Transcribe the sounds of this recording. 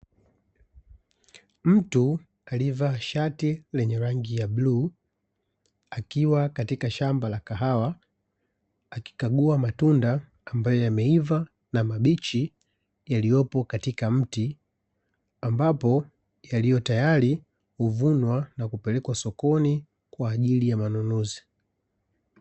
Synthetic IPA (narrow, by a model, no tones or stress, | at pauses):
m̩tu | alivaʃatilɛɲɛɾaŋɡijabluː | akiwakatikaʃambalakaɦawa | ki̥kaɡuamatundaː | mbajɔjamɛiva | namaɓit͡ʃi | jalijɔpɔkatikam̩ti | ambapɔ | jalijɔtajali | huvunwanakupɛlɛkwasɔkɔni | kwaːʄilijamanunuzi